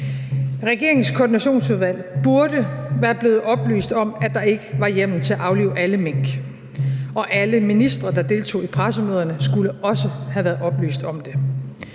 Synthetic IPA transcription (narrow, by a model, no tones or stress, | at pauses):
ʁɛɡ̥e̝ɐ̰eŋ̩skʰoːd̥inæɕo̝̰ːnsuðˠʋæl̰b̥uɐɾ̥əʋæːɐb̥le̝ːð̩ˠɒ̽b̥ly̰ːsd̥ɒ̽mæd̥ɑ̈e̝ɡ̥əʋɑ̈jem̰n̩t͡sʰe̝æʔɑ̈ʊlḭːʊʔæləmeŋ̰ɡ̥ | ʔɒ̽ʔæləminisd̥ʁɐd̥ɑ̈d̥e̝ːlt͡sʰo̝̰ːipʰʁasəmøːðˠɐnəsɡ̥uləʔɒ̽səhæʋæːɐð̩ˠɒ̽b̥ly̰ːsd̥ɒ̽md̥e̝